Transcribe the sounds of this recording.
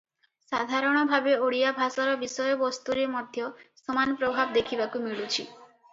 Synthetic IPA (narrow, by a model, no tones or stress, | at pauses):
sa̰d̪ʱaɾɔɽ̃ɔbʱabeoɽijabʱasɔɾɔbisɔjɔbɔst̪uɾemɔd̪ʱjɔsɔmanpɾobʱabd̪ekʰibakumiɭut͡ʃʰi